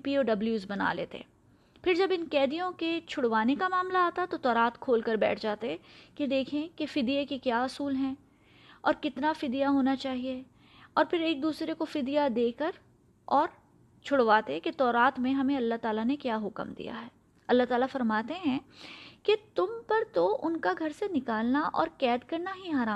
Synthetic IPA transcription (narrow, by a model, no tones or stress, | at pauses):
piːoːɖɐbljuːzbɐna̰lḛːt̪ḛː | pʰɪɾd͡ʒɐbɪnkɛːd̪ijõket͡ʃʰʊɽʋaːnekamaːmlaaːt̪at̪ot̪ɔːɾaːt̪kʰoːlkəɾbɛ̰ːʈʰd͡ʒaːt̪eɦɛked̪eːkʰẽkefɪd̪ijekekjaːʊsuːlɦɛ̃ | ɔːɾkɪt̪nafɪd̪ijaɦoːnat͡ʃaːɦie | ɔːɾpʰɪɾeːk̚d̪uːsɾekofɪd̪ijad̪eːkəɾ | ɔːɾ | t͡ʃʰʊɽʋaːt̪eket̪ɔːɾaːt̪mẽɦɐmẽɐlːaɦt̪aːlanekjaːɦʊkmd̪ḭja̰ɦɛː | ɐlːaɦt̪aːlafɐɾmaːt̪eɦɛ̃ket̪ʊmpɐɾt̪oʔʊnkaɡʱɐɾsenɪkaːlnaʔɔ̰ːɾkɛːd̪kɐɾnaɦiɦaːɾaːm